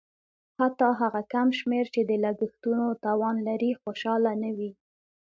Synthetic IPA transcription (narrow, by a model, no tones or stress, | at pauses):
hat̪ɑɦaɣakamʃmeɾt͡ʃed̪əlaɡəxt̪unot̪ɑwɑnlaɾixoʃɑlanawi